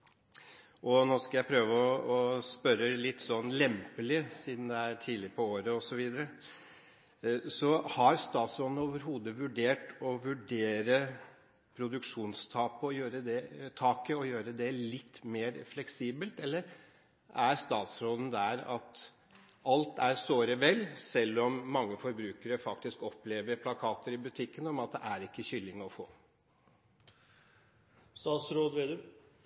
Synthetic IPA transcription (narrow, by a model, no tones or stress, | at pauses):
ʔɔnoːskɑjæɪpʰɾøːʋəɔɔspœɾəlɪt̪ːsɔnːlɛmpəlɪsiːd̪n̩d̪ɛæɾʈʰiːlɪpʰɔoːɾəɔsɔʋiːd̪əɾə | sɔhɑɾst̪ɑːt̪sɾoːd̪noːʋəɾɦuːd̪əʋʉɖeːʈɔʋʉɖeːɾə | pʰɾʊd̪ʉkʂuːnst̪ʰɑːpəɔjøːɾəd̪ɛt̪ʰɑːkəɔjøːɾəd̪ɛlɪt̪ːmeːɾflɛksiːbəlt̪ɛlːəɾ | ʔæɾst̪ɑːt̪sɾoːd̪ən̩d̪æɾɑ̰t̪ | ɑlt̪æɾsoːɾəʋɛlsɛlːɔmːɑŋːəfɔɾbɾʉːkəɾəfɑkt̪ɪskɔpleːʋəɾpʰlɑkʰɑːt̪əɾɪbʉt̪ʰɪkːənɔmɑt̪̚d̪ɛ̰ʔæɾɪkːəçʏlːɪŋɔfo̰ː | st̪ɑːt̪sɾoːd̪ʋed̪